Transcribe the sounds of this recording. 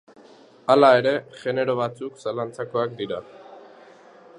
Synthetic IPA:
alae̞ɾe̞ɣe̞ne̞ɾo̞βat͡suksalant͡sako̞ak̚d̪iɾa

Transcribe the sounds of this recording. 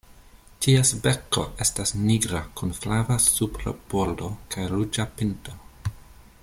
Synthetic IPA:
tiesbe̞ko̞̰ʔe̞stasniɡɾakunflavasupɾa̰b̥oɾdo̞kʰajɾud͡ʒapinto

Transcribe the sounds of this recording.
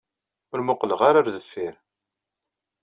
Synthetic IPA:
ʊɾmʊqləʁaɾaɾðəfːɪɾ

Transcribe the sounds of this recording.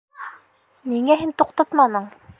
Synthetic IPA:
niŋæɦint̪uqt̪ɑt̪mɑnɤɴ

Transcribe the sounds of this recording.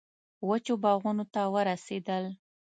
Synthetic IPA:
wət͡ʃobɑɣunot̪awəɾased̪əl

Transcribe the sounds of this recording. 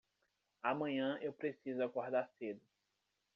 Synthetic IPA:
amɐ̃ɲɐ̃ʔewpɾesizʊakoɾd̪aɾsed̪ʊ

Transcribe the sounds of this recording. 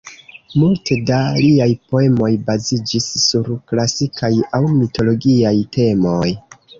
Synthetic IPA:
multe̞daliajpo̞e̞mo̞jbazid͡ʒisːuɾklasikʰajawmito̞lo̞ɡiajtʰe̞mo̞j

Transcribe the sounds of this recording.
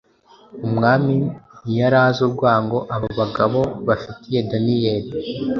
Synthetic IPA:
umŋaːminijaɾaːzoɾɡwaːŋɡo̞ʔaβoβaɡaβo̞βafitije̞danije̞ɾi

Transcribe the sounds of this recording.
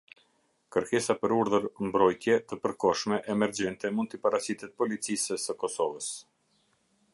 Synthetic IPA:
kəɾkɛsapəɾuɾðəɾmbɾɔjt̪jɛt̪əpəɾkɔʃmɛʔɛmɛɾd͡ʑɛnt̪ɛmund̪t̪əpaɾasit̪ɛt̪̚pɔlit͡sisəsəkɔsɔvəs

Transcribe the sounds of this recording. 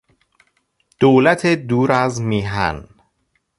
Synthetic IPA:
d̪̥oːlæt̪ʰed̪uːɾæzmiːɦæ̰n

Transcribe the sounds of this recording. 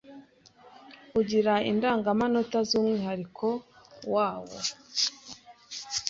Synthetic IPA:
uɟiɾaḭndaːŋɡamano̞tazuːmŋiːɦaɾikʰo̞waːwo̰

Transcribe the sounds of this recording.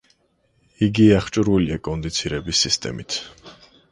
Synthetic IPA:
iɡiaχt͡ʃʼuɾviliakʼɔnd̪it̪sʰiɾɛbisːist̪ʼɛ̰mit̪ʰ

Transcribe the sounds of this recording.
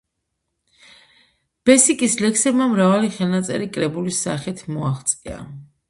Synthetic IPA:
b̥ɛsikʼislɛksɛbmamɾavaliχɛlnat̪sʼɛ̰ɾikʼɾɛbulisaχit̪ʰmɔaχt̪sʼia̰

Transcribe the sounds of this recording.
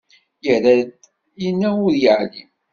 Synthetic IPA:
jəɾæd̪ | jənːæʊɾjəʕlḭm

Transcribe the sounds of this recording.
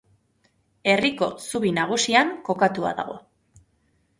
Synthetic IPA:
e̞riko̞suβinaɣ̞usiaŋko̞kat̪ua̰ða̰ɣo̞̰

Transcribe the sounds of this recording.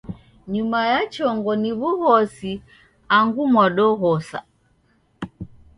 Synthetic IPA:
ɲumajat͡ʃɔŋɡɔniβuhɔsi | aŋɡumwaɗɔɦɔsa̰

